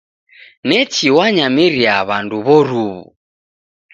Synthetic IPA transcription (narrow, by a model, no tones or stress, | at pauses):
nɛt͡ʃiwaɲamiɾiaβanduβɔɾuβṵ